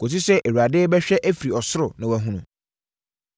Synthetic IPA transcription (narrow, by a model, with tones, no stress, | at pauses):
ko˨ti˦sɛ˦ʔe˨wu˨ɾa˨dɪ˦bɛ˦ɕᶣɛ˦ʔæ˦fi˨i˨ɔ˨sʊ˦ɾʊ˨nɪ̃˨wæ˨ɦũ˦nʊ̃˨